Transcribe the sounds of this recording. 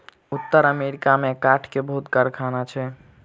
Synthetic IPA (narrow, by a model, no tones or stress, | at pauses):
ut̪ːəɾəmeɾikamekaʈʰkebəɦut̪kaɾkʰanat͡ʃʰɛ